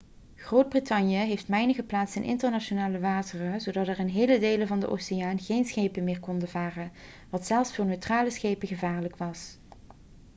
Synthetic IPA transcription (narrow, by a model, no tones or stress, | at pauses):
χrowd̚britɑnjəɦejftmɛjnəɣəplaːtsɪnʔɪ̰ntəɹnat͡ʃonaːləʋaːtərəzowdɑtɛrɪnɦejlədejləvɑndə̰ʔo̰wsejaːnɣejnsχejpəmɪːɹkɔndəvaːrə | ʋɑtsɛlˠfsfoːɹnøɥtraːləsχejpəɣəvaːɹləkʋɑs